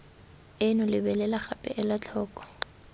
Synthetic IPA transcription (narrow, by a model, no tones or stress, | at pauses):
ɪnʊlɪbɛlɛlaχapʼɛ̰ʔɛlat͡ɬʰɔːkʼɔ̥